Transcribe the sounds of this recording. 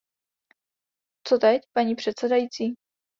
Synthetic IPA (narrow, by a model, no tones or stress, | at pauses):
t͡sot̪ɛcpaɲiːpr̝̥ɛt̪sɛdajiːt͡siː